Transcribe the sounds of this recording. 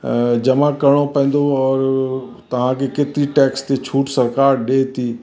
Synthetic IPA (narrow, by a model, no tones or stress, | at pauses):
d͡ʒɐmakɐɾɽ̃opɛ̃ːn̆d̪oɔːɾ | t̪ɐʋ̤ãkʰeket̪ɾiʈɛːkst̪et͡ʃʰuːʈsɐɾkaːɾɗeːt̪iː